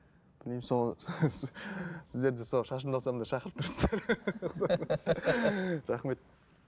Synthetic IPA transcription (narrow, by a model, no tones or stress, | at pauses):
b̥ɪlejmsoɑssɪzd̪eɾd̪ɪsoʃɑʃ̬ənd̪ɑlˠsɑmd̪ɑʃɑqəɾəp̚t̪ʰʊɾsə̥zd̪ɑɾqzɑ | ɾɑχme̞t̪̚